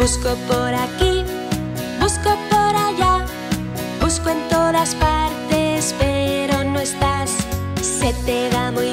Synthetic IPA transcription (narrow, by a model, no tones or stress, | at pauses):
uskopoɾaki | busko̞po̞ɾaʎa | buskoe̞nt̪o̞ðaspaɾt̪e̞spe̞ɾo̞noe̞st̪asː | e̞t̪eðamuj